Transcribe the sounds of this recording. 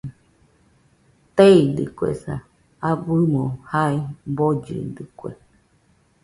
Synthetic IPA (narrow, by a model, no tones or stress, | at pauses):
t̪eid̪ɨ̰kʷḛsa | abɨmõhaibod͡ʒɨ̰d̪ɨkʷḛ